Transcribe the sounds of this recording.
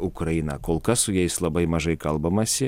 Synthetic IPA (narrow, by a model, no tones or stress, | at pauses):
ʊkɾɐjinɐkoːlˠkɐsʊjɛɪslˠɐbɐɪmɐʒɐɪkɐlˠbɐmɐsʲɪ